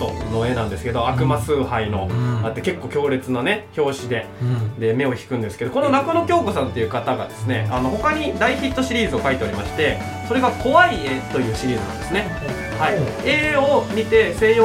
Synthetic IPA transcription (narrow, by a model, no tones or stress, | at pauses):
t̪o̰noe̞nãnd̪e̞sɨ̥ke̞d̪o̞akɯ̟masɨːhaino̞̰at̪ːeke̞kːo̞ːkʲo̞ːɾe̞t͡sɨnane̞ço̞ːɕid̪e̞ | d̪e̞me̞o̞çi̥kɯ̟̃nd̪esɨ̥ke̞d̪o̞ko̞no̞nakono̞kʲo̞ːko̞sãnt̪ːe̞jɯ̟kat̪aɡa̰d̪e̞sɨne̞̰ano̞ho̞kaɲ̟id̪aiçit̪ːo̞ɕiɾʲiːzɨo̞kait̪e̞oɾʲimaɕi̥t̪e̞ | so̞ɾe̞ɡako̞βaiet̪o̞jɯ̟ːɕiɾʲiːzɨnã̰nd̪e̞sɨne̞ | hai | eomʲit̪e̞sẽ̞ɰ̃o